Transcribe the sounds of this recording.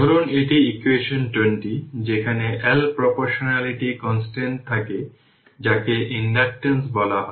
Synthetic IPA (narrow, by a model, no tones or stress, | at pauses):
ɔɾoneʈiikweʃonʈweɳʈid͡ʑekʰaneʔɛlpɾopoɾʃonaliʈikɔnsʈeɳʈ̚t̪ʰake | d͡ʑakeʔinɖak̚ʈensbɔlaɦɔ